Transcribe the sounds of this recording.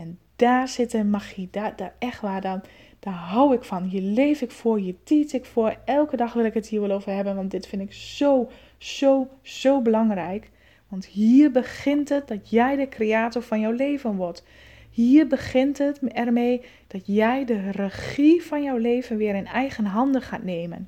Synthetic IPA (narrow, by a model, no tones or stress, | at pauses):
ɛnd̥aːsɪtəmaxidad̥aɛxtʋaːdɔn | d̥aːɦawɪkfɔnɦiərlejfɪkfʊəɹɦiətisɪkfʊərɛlˠkədɑxʋɪlˠɪkəthiːəʋɪlˠoːwvərɦɛbənʋɑntdɪtfɪnɪksow | z̥owz̥owbəlɑŋrɛjk | ʋɑnthiːrbəxɪntət̚dɔtjɛjdəkreaːtoɹfɑnjɔwleːvənʋɔt | hiːrbəɣɪntətɛrmeː | d̥ɔtjɛjdərəxifɑnjɔwleːvənʋɪəɾɪnɛjɣənɦɑndəxaːtneːmə̰n